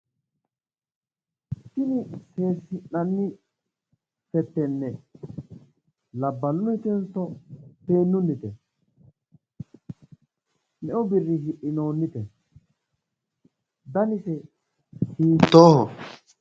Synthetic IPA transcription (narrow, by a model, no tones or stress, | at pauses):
tɪnɪse̞ːsɪnːɐnːɪ | fɛt̪ːɛnːɛ | lɐbːɐnːʊɪt̪ɛnsɔpe̞ːnːʊnːɪt̪ɛ | nɛʔɔbɪrːɪɦɪʔːɪno̞ːnːɪt̪ɛ | d̪ɐnɪsɛ | siːt̪ːoːhɔ